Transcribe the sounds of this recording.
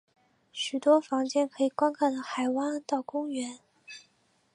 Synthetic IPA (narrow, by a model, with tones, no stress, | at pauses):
ɕy˨˩t̪wɔ˥fɑ˧˥ŋt͡ɕjɛ˥˩nkʰɤ˧˥i˨˩kwa˥nkʰɑ˥˩d̪ə˧xa˨˩ɪwa˥ŋt̪ɑ˥˩ʊkʊ˥ŋɥɛ˧˥n